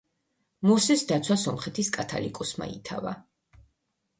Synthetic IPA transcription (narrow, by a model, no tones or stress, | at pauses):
musɛsd̪at̪sʰwasɔmχɛt̪ʰiskʼat̪ʰa̰likʼɔsma̰it̪ʰa̰va̰